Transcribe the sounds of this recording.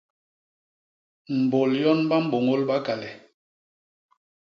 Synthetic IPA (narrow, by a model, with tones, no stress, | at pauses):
m̩˨bo˨ljɔ˦nba˦m̩˦bo˨ŋo˦lba˦ka˨lɛ˨